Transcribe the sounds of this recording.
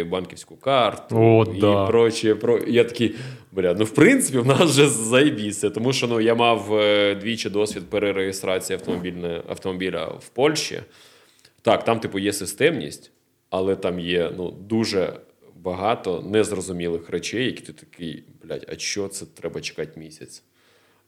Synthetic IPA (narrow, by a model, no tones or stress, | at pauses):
bɑnkʲiwsʲkʊkɑrt̪ʊipɾɔt͡ʃɛpɾɔjat̪ɐ̥kʲibɐɾʲat̪nuwpɾɪnsɪpʲiwnɑsʒɛzɐjbʲisʲɐt̪ɔmuʃt͡ʃɔnujamɑwd̪ʲʋʲit͡ʃɪd̪ɔsʲʋʲid̪̚peɾeɾeɦest̪ɾɑt͡sʲijiɐwt̪ɔmɔbʲilʲnɛɐ̰ft̪ɔmɔbʲilʲɐ̰wpɔlʲʃt͡ʃḭ | t̪ɑkt̪ɑmt̪ipʊjɛsɪst̪ɛmnʲḭsʲtʲ | ɐlˠɛt̪ɑmjɛnṵd̪uʒɛ̰ | bɐɦɑt̪ɔnɛzrɔzʊmʲilˠɪxret͡ʃɛjːɐkʲi̥t̪ɪt̪ɐ̥kɪjblʲa̰tʲɐ̰ʃt͡ʃɔt̪sɛt̪ɾɛbɐt͡ʃɪ̥kɑtʲmʲisʲɐt͡sʲ